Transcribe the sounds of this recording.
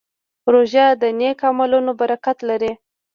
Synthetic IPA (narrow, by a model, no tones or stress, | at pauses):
ɾoʒad̪ənekamalunobaɾakat̪laɾi